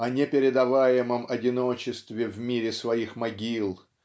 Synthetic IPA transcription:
ɐnʲepʲɪɾʲɪd̪ɐvajɪməmɐdʲɪno̞t͡ɕɪst̪vʲɪvmʲiɾʲɪsvɐixmɐɡʲilˠ

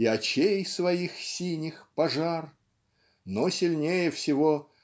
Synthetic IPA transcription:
ɪɐt͡ɕejsvɐixsʲinʲɪxpɐʐar | nosʲɪlʲnʲejəfsʲɪvo

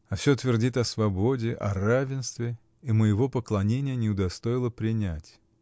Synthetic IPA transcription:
ɐfsʲot̪vʲɪrdʲit̪ɐsvɐbo̞dʲɪʔɐ̰ravʲɪnst̪vʲɪ | iməjɪvo̞pəklˠɐnʲenʲɪjənʲɪʊd̪ɐst̪o̞ɪlˠəpɾʲɪnʲætʲ

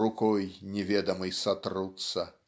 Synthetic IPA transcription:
ukɔjnʲɛvʲɛd̪ɐmɨjsat̪rut̪sɐ

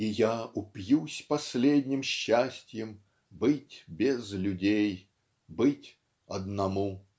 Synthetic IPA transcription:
ijaʊpjusʲpɐsʲlʲedʲnʲɪmɕːasʲtʲjəm | bɨtʲbʲezlʲʊdʲej | bɨtʲ | ɐd̪nɐmu

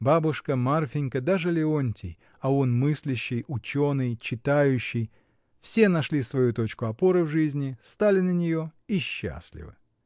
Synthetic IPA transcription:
babʊʂkəmarfʲɪnʲkəd̪aʐɨlʲɪonʲtʲɪ̰j | ɐonmɨsʲlʲɪɕːɪjʊt͡ɕo̞nɨjt͡ɕɪt̪ajʉɕːɪj | fsʲe̞nɐʂlʲisvɐjut̪o̞t͡ɕkʊɐpo̞ɾəvʐɨzʲnʲɪst̪alʲɪnənʲɪjo̞iɕːa̰sʲlʲɪ̰vɨ̰

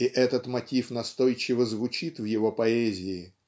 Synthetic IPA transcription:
ɪʔɛt̪ət̪mɐtʲifnɐst̪o̞jt͡ɕɪvəzvʊt͡ɕit̪vjɪvo̞pɐɛzʲɪɪ

